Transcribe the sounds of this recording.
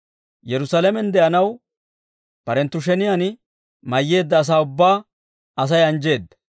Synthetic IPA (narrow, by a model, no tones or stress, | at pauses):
jɛɾʊsalɛmɛnd̪ɛʔɐnɐw | pɐɾɛnt̪ːʊʃ̬ɛnɪjan | mɐjːe̞ːd̪ːɐːs̬aːʊbːaː | ɐs̬ɐjɐnd͡ʒe̞ːd̪ːɐ̥